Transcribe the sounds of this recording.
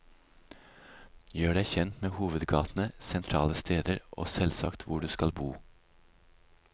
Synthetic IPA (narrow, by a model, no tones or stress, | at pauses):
jøːɖæɪçɛnt̪meːhuːʋəd̪ɡɑːt̪n̩əsɛnt̪ʰɾɑːləst̪ʰeːd̪əɾʔo̰ːsɛlsɑ̰kt̪ʰʋʊɖʉːskɑlbuː